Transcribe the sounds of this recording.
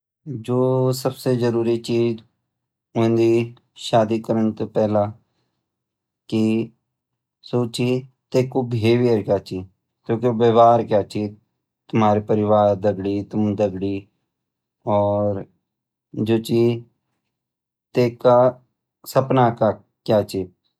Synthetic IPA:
d͡ʒoːsəbseːd͡ʒəɾuːɾiːt͡ʃiːd͡ʒ | ʊ̃ẽnd̪iː | ʃaːd̪iːkəɾəɳt̪oːpɛːlãː | ki | soːt͡ʃiː | t̪eːkoːbʱeːʋijəɾkjaːt͡ʃiː | kjõːkeʋəʋaːɾkjaːt͡ʃiː | t̪ʊmaːɾipəɾɪʋaːɾd̪əɡɽiːt̪ʊmd̪əɡɽiː | ɔːɾ | d͡ʒoːt͡ʃiː | t̪eːka | səpnaːka | kjaːt͡ʃiː

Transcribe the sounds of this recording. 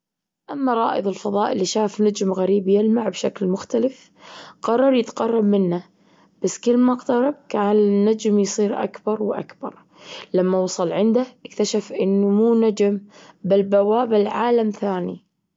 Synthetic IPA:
ʔamːaɾˤɑ̰ːʔɨðˤɪlfɑðˤɑːʔɪlːiʃaːfnad͡ʒmɣaɾiːbjɪlmaʕbʃaklmʊxt̪alɪf | qɑrˤːɑɾˤjɪt̪qɑrˤːɑbmɪnːa | b̥asːkɪlːmaqt̪ɑɾˤɑb̚kaːnɪnːad͡ʒmjsˤiːɾʔa̰kbɑɾˤwʔa̰kbɑ̰ɾˤ | lamːawɑsˤɑlʕɪnd̪aʔɪkt̪aʃafʔɪnːmuːnad͡ʒmbalbawaːbɪlʕaːlamθaːnḭ

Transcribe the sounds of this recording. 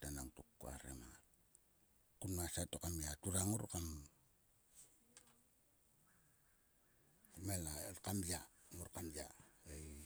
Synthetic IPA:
tanaŋtukːoa̰ɾḛmaŋal | kunmasatokamiatuɾaŋuɾkam | melakamjaŋuɾkamjaej

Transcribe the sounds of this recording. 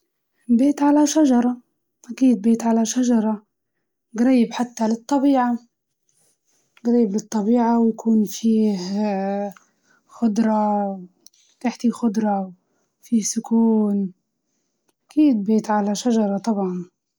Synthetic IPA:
beːt̪ʕalaʃaʒɑɾˤɑ | ʔakiːd̪̚beːt̪ʕalaʃaʒɑɾˤɑ | ɡɾɑjːɪbħat̪ːalɨt̪ˤːɑbiːʕa | ɡɾiːjːɪblɨt̪ˤːɑbiːʕawjakʰuːnfiːh | xʊd̪ɾˤɑ | t̪aħt̪ixʊd̪ɾˤɑw | fiːhsʊkuːn | ʔakiːd̪̚beːt̪ʕalaʃaʒɑɾˤɑt̪ˤɑbʕɑn

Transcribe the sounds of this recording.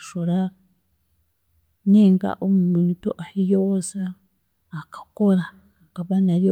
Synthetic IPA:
ʃoɾa | neːŋɡa̰ʔomuunitoʔahijosaː | kḁkoɾaː | kaβanaɾjo

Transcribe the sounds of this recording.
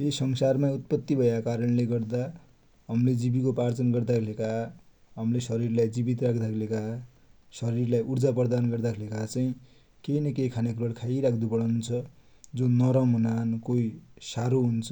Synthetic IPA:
esʌŋsarmaut̪̚pʌt̪ːibʱʌjakaɾʌnleɡʌrd̪a | ɦʌmled͡zibikopart͡sʌnɡʌrd̪akʰeleka | ɦʌmlesʌɾirlajd͡zibit̪rakʰd̪akʰleka | sʌɾirlajʔuɾd͡zapʌrd̪anɡʌrd̪akʰelekat͡saĩ | kejnʌkekʰanekɾolkʰaiɾakʰd̪upʌɽant͡sʰʌ | d͡zonʌɾʌmʌnankoisaɾoɦunt͡sʰʌ̥

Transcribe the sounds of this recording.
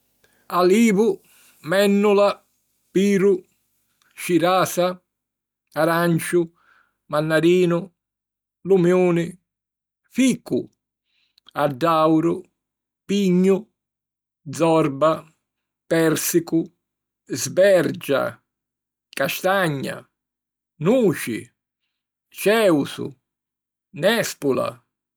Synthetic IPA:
aliːvʊ | mɛnːula | piːɾʊ | ʃiɾaːsa | aɾant͡ʃʊ | manːaɾiːnʊ | lumjoːnɪ | fiːku | aɖːawɾʊ | piɲːʊ | d̪zɔrba | pɛɾsikʊ | zbɛɾd͡ʒa̰ | kaʃt̪aɲːa̰ | nuːt͡ʃɪ̰ | t͡ʃɛːwsʊ̰ | nɛspula̰

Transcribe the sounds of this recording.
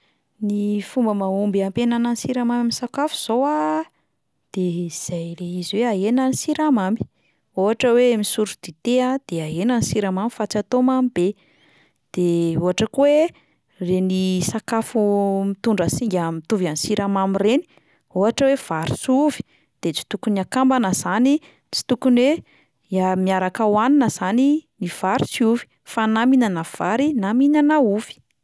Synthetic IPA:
nifumbəmaumbiampenananisiɾamamaminsakafu̥z̥owa | d̪̥eiz̥ajleiziweaenanisiɾamambi̥ | oɦaʈ͡ʂəweamisuɾud̪̥it̪ead̪̥eaɦenanisiɾamamifat͡sat̪omamibe | d̪̥eoɦaʈ͡ʂəkuwe | renisakafumit̪uɳɖ͡ʐəsiŋɡʲamit̪uvjansiɾʔamamireni̥ | uɦaʈ͡ʂəwev̥aɾi̥suvi̥ | d̪̥et͡si̥t̪ukuniakambanəzani | t͡si̥t̪ukunwe | amiaɾakawaninəz̥aniniv̥aɾisiuvi̥ | fanaminanav̥aɾinaminanauvi̥

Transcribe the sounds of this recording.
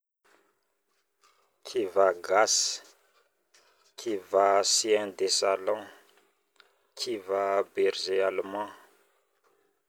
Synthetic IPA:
kʰivaɡas | kʰivasiɛ̃nd̪esalɔ̃ | kʰivabeɾzealmɑ̃

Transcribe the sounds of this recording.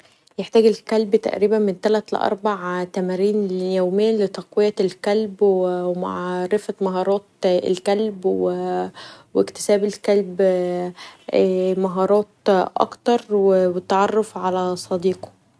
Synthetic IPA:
jeħt̪æːɡelkælbt̪æ̰ʔɾiːbænment̪ælæt̪lḛʔɑ̰ɾˤbaʕt̪æmæɾiːnjæwmejːælet̪ɑqwejːælkælbwewma̰ʕɾefæmɑɦɑːɾˤɑːt̪̚ḛlkælbwe | wekt̪ɪ̥sæːbelkælb | mɑɦɑːɾˤɑːt̪̚ʔɑ̰kt̪ɑɾˤwewet̪ːɑʕɑrˤːɑfʕalæsˤɑd̪iːqo̥

